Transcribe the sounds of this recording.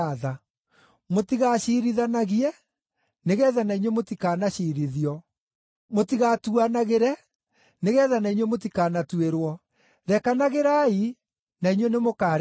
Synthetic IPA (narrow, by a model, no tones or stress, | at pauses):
aða | motiɣaːɕiːɾiðanaɣiɛ | neɣɛːðanaiɲwemotikaːnaɕiːɾiðiɔ | motiɣatuanaɣeɾɛ | neɣɛːðanaiɲwemot̬ikaːnatueɾwɔ | ɾɛkanaɣeɾai | naiɲwenemokaɾ